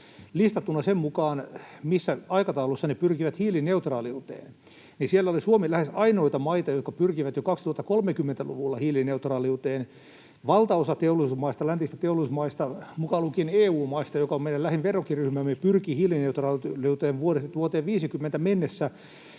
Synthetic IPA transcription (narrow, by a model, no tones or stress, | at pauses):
list̪ɑt̪ːunːɑsemmukɑːnmisːæɑikɑt̪ɑulusːɑnepyrkiʋæt̪hiːlineut̪rɑːliut̪ḛːn | nisielːæolisuomilæhesɑinoit̪ɑmɑit̪ɑjot̪kɑpyrkiʋæt̪jokɑkst̪uhɑt̪ːɑ̥kolmekymːent̪ælṵʋulːɑhiːlineut̪rɑːliut̪eːn | ʋɑlt̪ɑosɑt̪eolisumɑist̪ɑlænt̪ist̪æt̪eolismɑist̪ɑmukɑlukineːuːmɑist̪ɑjokɑomenːællæhinʋerokiryhmæmːepyrkihiːlineut̪rɑːliut̪eːʋʋuoɾest̪uot̪eːʋʋiːsikymːent̪æmenːesːæ